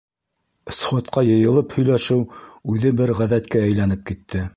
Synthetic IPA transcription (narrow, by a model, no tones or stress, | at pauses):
sχot̪qɑjɤ̆jɤ̆lˠɤphɵ̆jlæʃɘwʉðɘbɘɾʁæðæt̪kææjlænɘp̚kit̪ʰːɘ